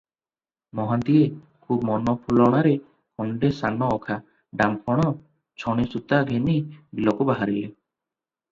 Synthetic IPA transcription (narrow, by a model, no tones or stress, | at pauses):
mɔɦant̪ie | kʰub̚mɔnɔpʰulɔɽ̃aɾe | hɔɳɖesanɔːkʰa | ɖampʰɔɽ̃ɔ | t͡ʃʰɔɽ̃isut̪aɡʱenibilɔkɔbaɦaɾile